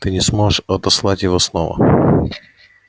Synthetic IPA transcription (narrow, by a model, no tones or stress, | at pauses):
t̪ɨnʲɪsmoʐɨʂɐt̪ɐslˠatʲjɪvosno̰və̰